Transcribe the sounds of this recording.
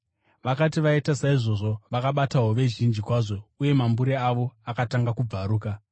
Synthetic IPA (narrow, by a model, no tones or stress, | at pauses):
ʋakatiʋaitasaiʐo̞ʐo̞ʋakaɓataɦoʋe̞ʒind͡ʒikwaʐo̞uje̞mambuɾeaʋo̞akataŋɡakub͡vaɾuːka